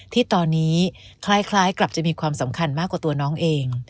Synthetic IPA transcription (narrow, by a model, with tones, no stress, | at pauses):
t̪ʰiː˥˩t̪ɔː˧nːiː˦˥kʰlaː˦˥jkʰlaː˦˥jkla˨˩p̚t͡ɕa˨˩ʔmiː˧kʰwaː˧msa˩˦mkʰa˧nmaː˥˩kwaː˨˩u˧ɐnɔː˦˥ŋʔeː˧ŋ